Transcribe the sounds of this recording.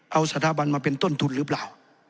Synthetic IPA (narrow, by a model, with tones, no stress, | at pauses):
ʔa˧wsa˧t̪ʰaː˧˨ba˧nmaː˧pe˧˨nt̪o˥˨nt̪ʰu˧˩nɾɯː˧˦plaː˧˨˩w